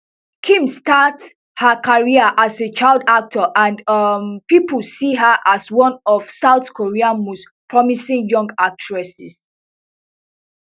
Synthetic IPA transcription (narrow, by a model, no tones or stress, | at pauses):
kʰĩmstats | həkʰaɹiəʔaset͡ʃaɪlˠdak̚tʰəʔãndmpipəlsiɦəʔaswɔ̃nɔfsaʊθkʰoɹiãnmos | pʰɹɔmisĩŋjɔ̃ŋɡak̚t͡ʃɹɛsis